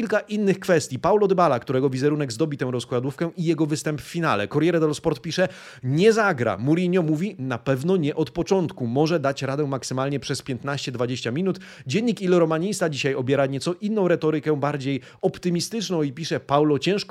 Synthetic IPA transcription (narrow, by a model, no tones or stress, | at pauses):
ilkaʔinːɘxkfɛst̪ʲjipawlɔd̪ɛbalakt̪uɾɛɡɔvʲizɛɾunɛɡzd̪ɔbʲit̪ɛw̃ɾɔskwad̪ufkɛʔijɛɡɔvɘst̪ɛmpfːʲinalɛ̰kɔɾjɛɾɛd̪ɔlɔspɔɾt̪̚pʲiʂɛ | ɲɛzaɡɾa̰muɾʲiɲɔmuvʲinapɛvnɔɲɛʔɔt̪pɔt͡ʂɔnt̪kumɔʐɛd̪at͡ɕɾad̪ɛ̃maksɘmalɲɛpʂɛspʲjɛnt̪naɕt͡ɕɛd̪vad͡ʑeɕt͡ɕamʲinut̪ | d͡ʑɛɲːikilɔɾɔmaɲist̪ad͡ʑiɕajɔbʲjɛɾaɲɛsɔʔinːɔ̃w̃ɾɛt̪ɔɾɘkɛ̃baɾd͡ʑej | ɔpt̪ɘmʲist̪ɘt͡ʂnɔ̃w̃ipʲiʂɛpawlɔt͡ɕɛ̃w̃ʂk